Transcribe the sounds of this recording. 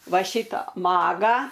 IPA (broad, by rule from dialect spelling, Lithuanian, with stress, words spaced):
ˈʋɐ ˈʃʲɪtɑː ˈmɑːɡɑː